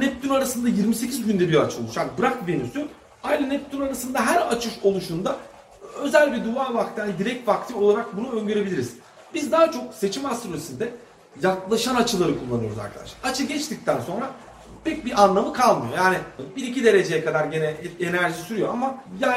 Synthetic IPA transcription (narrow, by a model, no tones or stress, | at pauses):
nɛp̚t̪ʰynaɾasɯnd̪ajiɾmise̞cʰizɟynd̪ɛbiɾat͡ʃʰɯlˠuʃaːnbɯɾak̚benysy | ajlanɛp̚t̪ʰynaɾasɯnd̪aɦæɾat͡ʃʰɯʃo̞lˠuʃund̪a | ø̞zælʲbid̪uaːvak̚t̪ʰænd̪iɾɛc̚t̪vakt̪ʰio̞lˠaɾak̚bunuø̞ɲɟøɾebilʲiɾiz̥ | bizd̪aːat͡ʃʰo̞k̚se̞t͡ʃʰimast̪ɾoesind̪ɛ | jaklˠaʃanat͡ʃʰɯlˠaɾɯkʰulˠːanɯjooza̰ɾkʰa̰d̪a̰ʃaat͡ʃʰɯɟɛt͡ʃt̪ic̚t̪ʰænso̞nɾa | pɛc̚biʔanlˠamɯkʰalˠmɯjo̞jaːnibiɾicid̪e̞ɾe̞d͡ʒe̞jɛkʰad̪aɾɟenɛenæɾʒisyɾyjo̞amaja